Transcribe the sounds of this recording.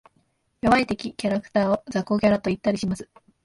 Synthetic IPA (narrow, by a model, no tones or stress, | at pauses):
jo̞βait̪e̞kʲikʲaɾakɯ̟̥t̪aːozako̞ɡʲaɾat̪o̞it̪ːaɾʲiɕimasɨ̥